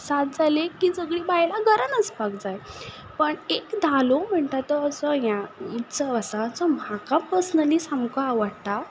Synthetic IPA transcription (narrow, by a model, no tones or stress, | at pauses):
sat̪̚d͡zalekiːd͡zəɡɭiːbajlaɡəɾənəspakd͡zaj | pəɳekd̪ʱalom̤əɳʈ̪at̪ɔəsɔjãit͡sɔəsat͡sɔm̤akapəsənəlisamkoaʋəɽt̪a